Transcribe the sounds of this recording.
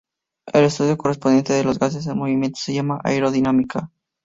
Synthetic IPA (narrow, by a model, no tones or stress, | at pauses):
ele̞st̪uðjoko̞res̬pond̪je̞nt̪eðelo̞zɣas̬e̞zelmo̞βimje̞nt̪oseʝamaʔa̰jɾo̞ðinamikʰa